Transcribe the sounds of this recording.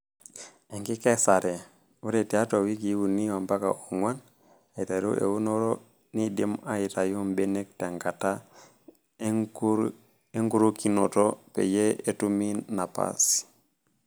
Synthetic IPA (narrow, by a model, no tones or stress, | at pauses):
eŋkikesaɾe | uɾetiatowikiwuniwambaka̰oŋwan | aitaɾṵʔḛwunoɾo | nidimajitajumbenek̚taŋɡata | eŋɡuɾokino̰topḛjeetuminːapa̰s